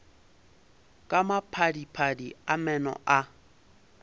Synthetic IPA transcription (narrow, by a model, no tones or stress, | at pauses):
kʼamapʰadipʰadiamɛnɔ̰ʔa